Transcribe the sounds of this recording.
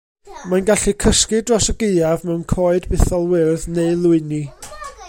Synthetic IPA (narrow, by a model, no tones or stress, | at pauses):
manɡaɬikʰəskɨdrɔsəɡeɨavmɛwnkʰoːɨdbɪθɔlˠwɪrðneɨlˠʊɨni